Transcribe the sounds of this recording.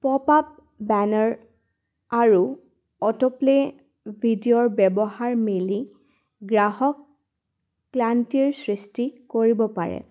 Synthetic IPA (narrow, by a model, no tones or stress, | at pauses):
pɔpap̚ | bɛnɔɹ | aɹu | ɔtɔple | bʱidiɔɹbɛbɔhaɹmeli | ɡɹaɦɔkː | lantiɹsɹistikoɹibɔpaɹɛ̰